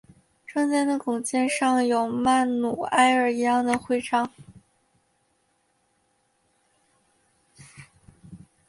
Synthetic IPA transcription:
ʈ͡ʂɤ˥˧ŋt͡sa˥˧ɪna˥˩kʊ˨˩ŋt͡ɕjɛ˥˧nʂɑ˥˩ŋjo˨˩ʊma˥˩nnu˨˩a˥ɪə˞˨˩i˧˥jɑ˥˩ŋd̪ə˩xwe˥˧ɪʈ͡ʂʰɑ˥ŋ

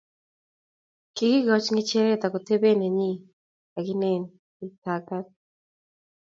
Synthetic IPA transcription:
kɪ˨ɡɪ˦ɡɔ˦t͡ʃŋɪ˦t͡ʃe˦ɾe˦t̪a˨kɔ˨t̪e˦be˦ne˨ɲi˦ | a˨ɡɪ˦ne˦˨n | ɪ˨ta˨ɡa˦t̚

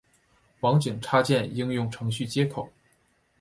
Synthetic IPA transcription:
fɑ˧˥ŋt͡ɕi˨˩ŋʈ͡ʂʰa˥t͡ɕjɛ˥˩ni˥ŋjʊ˥˩ŋʈ͡ʂʰɤ˧˥ŋɕy˥˩t͡ɕjɛ˥kʰo˨˩˦ʊ

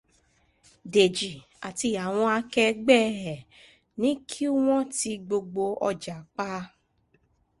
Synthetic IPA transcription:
de˨d͡ʒi˨ | a˨ti˧a˨w̃ɔ̃˧a˧kɛ˧ɡ͡bɛ˦˨ɾɛ˨ | nĩ˨˦kʰi˦u˦w̃ɔ̃˦ti˧ɡ͡bo˧ɡ͡bo˧ɔ̰˧d͡ʒa˨k͡pa˦

